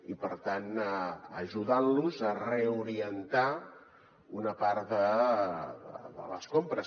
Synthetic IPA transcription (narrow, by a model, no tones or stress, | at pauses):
ipəɾt̪anəʒuðanluzəreuɾiənt̪a | unəpaɾðə | ðə̰ðə̰lə̰skompɾəs